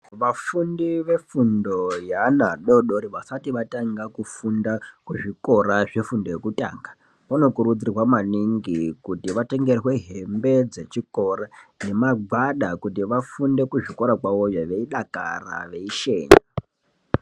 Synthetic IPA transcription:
ʋafundiʋe̞fundo̞janaɗo̞ɗoɾiʋasatiʋataŋɡakufundakuʐiko̞ɾaʐefundojekuta̰ːŋɡa | pano̞kuɾud͡zirwamaniŋɡikutiʋateŋɡe̞rwe̞ɦe̞mbe̞d͡ze̞t͡ʃiko̞ɾane̞mab͡vaɗakutiʋafunde̞kuʐiko̞ɾakwaʋojaʋe̞iɗaka̰ra̰ʋe̞iʃe̞ːɲa

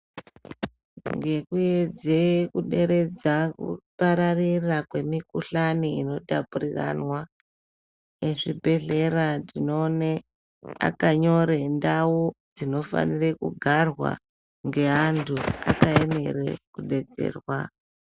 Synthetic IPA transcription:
ŋɡe̞kujed͡zekuɗe̞ɾe̞d͡zakṵpaɾarirakwe̞mikuɬaniino̞tapuɾira̰nwa | eʐibʱe̞ɮe̞ratino̞ne | a̰kaɲo̞ɾendawod͡zino̞fa̰nirekuɡʱarwa̰ | ŋɡe̞antʰua̰kaeme̞ɾḛkuɗe̞d͡ze̞̰ːrwa

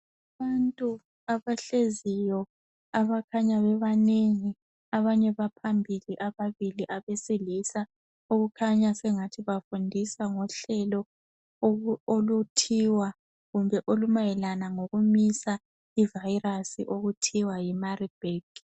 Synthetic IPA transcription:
aβantʼu | aβaɬezijɔ | aβakʰaɲaβɛβaneŋi | aβaɲɛβapʰambʱiliʔaβaβiliʔaβesilisa | oɣukʰaɲasɛŋatʰiβafundʱisaŋɔɬɛlɔ | olutʰiwa | ɣumbʱɛʔolumajɛlanaŋoɣumisa | ivairasḭʔoɣutʰiwajimarib̥ʱeɡ̥

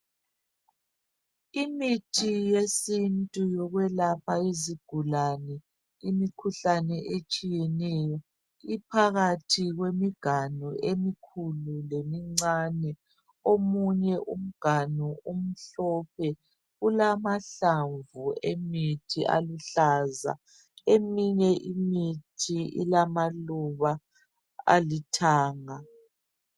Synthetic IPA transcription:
imitʰijesintʼujɔɣwɛlapʰaiziɡ̥ʱulanɛ | imikʰuɬanɛʔet͡ʃʼijɛnɛjɔ | ipʰaɣatʰiɣwemiɡ̥ʱanɔʔemikʰululemiŋ͡ǀanɛ | omuɲɛʔum̩ɡ̥ʱanuum̩ɬɔp̚ʰɛ | ɣulamaɬaɱvuemitʰiʔa̰luɬaza̰ | emiɲɛʔimitʰiḭlamaluβa | a̰litʰaːŋa

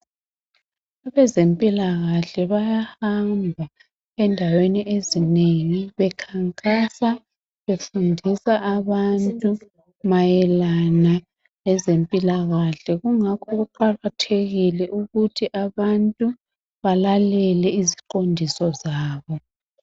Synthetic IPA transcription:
aβɛzempʼilaɣaɬɛβajahambʱa | ɛndʱaweniʔezineŋiβɛkʰaŋkʼasa | βefundʱisaʔaβantʼu | majɛlana | lɛzempʼilaɣaɬɛɣuŋakʰɔɣuǃaɣatʰeɣilɛʔuɣutʰiʔaβantʼu | βalalɛlɛiziǃondʱisɔzaːβɔ

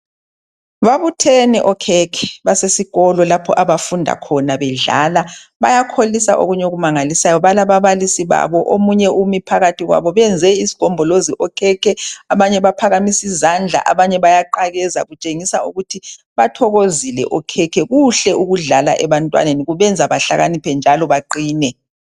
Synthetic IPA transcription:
βaβutʰɛnɛʔɔkʰɛkʰɛ̥βasesiɣɔlɔlapʰɔ̰ʔaβafundʱa̰kʰɔnaβɛɮa̰laβa̰jakʰolisa̰ʔo̰ɣuɲoɣumaŋalisajɔβalaβaβalisiβa̰βɔʔomuɲɛumipʰaɣatʰiɣwa̰βɔβɛnd͡zʱɛisi̥ɡ̥ʱɔmbʱɔloziʔɔkʰɛkʰɛaβaɲɛβapʰaɣamisizand͡ɮʱa̰ʔaβaɲɛβajaǃaɣɛza̰ɣut͡ʃʼeŋisaṵɣutʰi | βatʰɔɣozilɛ̰ʔɔkʰɛkʰɛɣuɬɛʔuɣuɮala̰ʔɛβantʼwa̰neniɣuβɛnd͡zʱaβaɬaɣanipʰɛnd͡ʒʱalɔβaǃiːnɛ

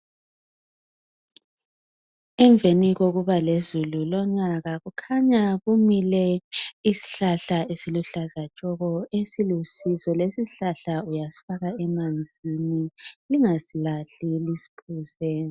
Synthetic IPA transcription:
ɛɱbvʱeniɣoɣuβalezululɔɲaɣaɣukʰaɲaɣumilɛisi̥ɬaɬaesiluɬazat͡ʃʼɔɣɔesilusizɔlesisiɬaɬaujasi̥faɣaɛmand͡zʱiniliŋasilaɬilisi̥pʰuzɛːni

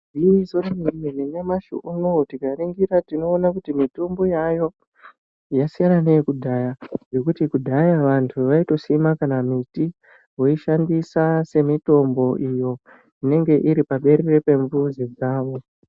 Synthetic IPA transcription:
izormiininemaʃṵʔunotiɡʱariŋɡiɾatino̞ːnakutimitumbo̞jajo̞ | jasijananejekudʱajaje̞kutikudʱajaʋantʰuʋaito̞simakanamiti | woiʃandisase̞mito̞mbo̞ʔijo̞ | ine̞ŋɡe̞ʔiɾipaɓe̞ɾe̞repe̞ɱvuzid͡zaːʋo̞

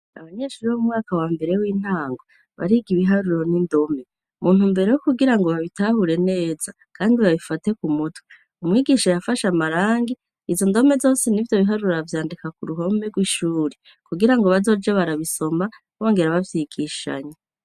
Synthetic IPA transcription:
a̰βaɲe̞ːʃuːɾiβoumŋaːkawaːmbe̞ɾewiːn̥haːŋɡo | βa̰ɾiːɡiβiɦaɾuɾo̞nindo̞me̞ | muːn̥umbe̞ɾe̞jokuɡiɾaŋɡo̞βaβitahuɾe̞ne̞ːz̥a | kʰaːndiβaβifate̞kumutwe | umŋiːɡiʃajafaʃamaɾaːŋɡi | izo̞ndo̞me̞zo̞ːsenivjo̞βiɦaɾuɾavjaːndikakuɾuɦo̞me̞ɡwiːʃuːɾe | kuɡiɾaŋɡo̞βazo̞ːd͡ʒeβaɾaβiso̞ma | wo̞ːŋɡe̞ɾaβavjiɡiʃa̰ɲe

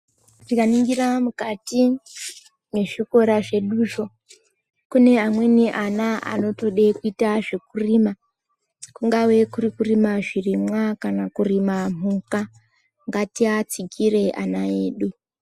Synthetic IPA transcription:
ʐ̥ikaniŋɡiɾamukati | ne̞ʐiko̞ɾaʐe̞ɗuːʃo̞ | kune̞amwe̞niʔanaa̰no̞to̞ɗe̞kuitaʐek̚urima | kuŋɡawe̞kurikurimaʐirimwakanakurimam̤uka | ŋɡatiat͡sikire̞ʔanaeːɗu

